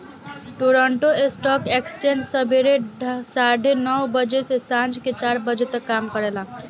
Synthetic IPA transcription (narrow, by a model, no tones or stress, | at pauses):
ʈoɾəɳʈoesʈɔkekst͡ʃẽnd͡ʒsəbʱeɾesaɖʱenɔwbəd͡ʒesesãnd͡ʒket͡ʃaɾbəd͡ʒet̪əkːamkəɾela